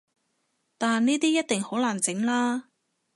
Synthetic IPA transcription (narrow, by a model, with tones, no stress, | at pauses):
t̪aː˨nniː˥t̪iː˥jɐ˥t̚t̪ɪ˨ŋho˨˥wlaː˨˩nt͡sɪ˨˥ŋlaː˥